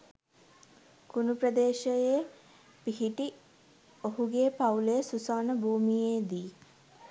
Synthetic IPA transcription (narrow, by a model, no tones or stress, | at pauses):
kunuprəd̪eːʃəje | piɦiʈi | oɦuɡeːpawulejəsusaːnəbʱuːmijeːd̪iː